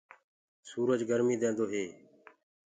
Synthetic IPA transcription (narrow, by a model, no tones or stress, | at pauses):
suːɾəd͡ʒɡəɾmiːd̪ẽːnd̪oːɦeː